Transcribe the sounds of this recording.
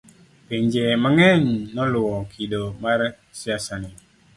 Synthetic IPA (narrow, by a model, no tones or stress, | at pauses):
peɲd͡ʒeməŋɛnːɔluɔkʰidomaɾ | siasane